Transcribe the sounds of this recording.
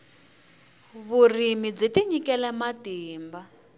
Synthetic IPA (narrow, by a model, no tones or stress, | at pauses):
βurimib͡ʐetiɲikɛlɛmatiːmba